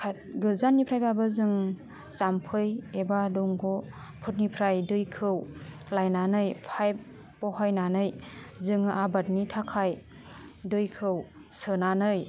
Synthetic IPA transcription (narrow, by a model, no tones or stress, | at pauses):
kʰat̚ɡɯzanːipʰɾajpʰabɯzɯŋ | sampʰɯjebadɔŋɡɔ | pʰɯt̚nipʰɾajdɯjkʰɯw | lajnanɯjpʰajp | pɔhajnanɯjzɯŋʔabat̚nitʰakʰaj | dɯjkʰɯwsɯnanɯj